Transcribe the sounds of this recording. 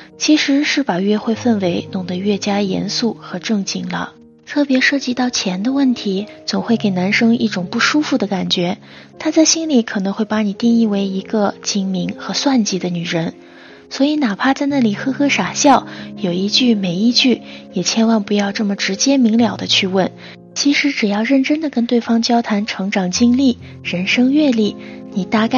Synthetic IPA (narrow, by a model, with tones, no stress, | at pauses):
t͡ɕʰi˧˥ʂɻ̩˧˥ʂɻ̩˥˩pa˨˩ɥɛ˥˧xwe˥˧ɪfə˥˩nwe˧˥ɪnʊ˨˩ŋd̪ə˦ɥɛ˥˩t͡ɕja˥jɛ̰˧˥nsu˥˩xɤ˧˥ʈ͡ʂɤ˥˧ŋt͡ɕi˥˩ŋlə̰˦ | t̪ʰɤ˥˩pjɛ˧˥ʂɤ˥˩t͡ɕi˧˥t̪ɑ˥˩ʊt͡ɕʰjɛ˧˥nd̪ə˧wə˥˩nt̪ʰi˧˥t͡sʊ˨˩ŋxwe˥˩ɪke˨˩ɪna˧˥nʂɤ˥ŋḭ˥˩ʈ͡ʂʊ˨˩ŋpu˥˩ʂu˥fu˥˩d̪ə˩˦ka˨˩nt͡ɕɥɛ˧˥ | t̪ʰa˥t͡sa˥˩ɪɕi˥nli˨˧˥kʰɤ˨˩nɤ˧˥ŋxwe˥˩ɪpa˧˥ni˨˩t̪i˥˧ŋi˥˩we˧˥ɪi˧˥ɡə˧t͡ɕi˧˥ŋmi˧˥ŋxɤ˧˥swa˥˩nt͡ɕi˧˥d̪ə˧ny˨˩ɻə˧˥n | swɔ˧˥i˧˥na˨˩pʰa˥˧t͡sa˥˧ɪna˥˩li˨˩xɤ˥xɤ˥ʂa˨˩ɕjɑ˥˩ʊjo˨˩ʊi˧˥t͡ɕy˥˩me˨˩ɪi˥˧t͡ɕy˥˩jɛ˨˩t͡ɕʰjɛ˥nwa˥˩npu˧˥jɑ˥˧ʊʈ͡ʂɤ˥˩mə˩ʈ͡ʂɻ̩˧˥t͡ɕjɛ˥mi˧˥ŋljɑ˨˩ʊd̪ə˦t͡ɕʰy˥˧wə˥˩n | t͡ɕʰi˧˥ʂɻ̩˧˥ʈ͡ʂɻ̩˨˩jɑ˥˧ʊɻə˥˩nʈ͡ʂə˥nd̪ə˨kə˥nt̪we˥˩ɪfɑ˥ŋt͡ɕjɑ˥ʊt̪ʰa˧˥nʈ͡ʂʰɤ˧˥ŋʈ͡ʂɑ˨˩ŋt͡ɕi˥ŋli˥˩ | ɻə˧˥nʂɤ˥ŋɥɛ˥˧li˥˩ | ni˨˩t̪a˥˩k